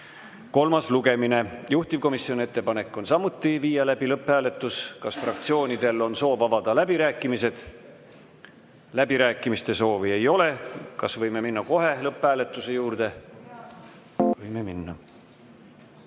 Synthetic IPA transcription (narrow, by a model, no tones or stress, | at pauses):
ko̞lmɑsluɡe̞mine̞juht̪ivko̞misionʲie̞t̪ˑːe̞pɑne̞kːˑo̞nsɑmut̪ːiviːjɑlæb̥ilɤpːhæːle̞t̪ːˑuskɑsfrɑk̚t̪sio̞ːnʲid̪̥e̞lːo̞nso̞ːvɑvɑd̪̥ɑlæbiɾæːkˑːimise̞d̪̥ | læb̥iɾæːkːˑimist̪e̞so̞ːvie̞jo̞le̞kɑsvɤjme̞minːɑko̞ɦe̞lɤpːˑhæːle̞t̪ːˑuse̞juːrd̪̥e̞ | vɤjmeminːɑ